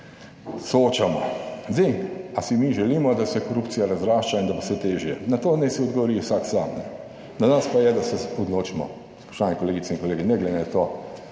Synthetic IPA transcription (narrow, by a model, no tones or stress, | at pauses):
sooːt͡ʃamɔ̰zɛasimiʒɛliːmɔd̪asɛkoɾuptsijaɾazɾaːʃt͡ʃaind̪abosɛt̪eːʒjɛnat̪oːnɛsiɔd̪ɡɔʋɔɾiwsaksaːmnɛ | nanaspajɛd̪asɛɔd̪loːt͡ʃimɔ̰ | pɾaʃaːnɛkoleːɡit̪seiŋkoleːɡinɛɡlɛd̪ɛnat̪oː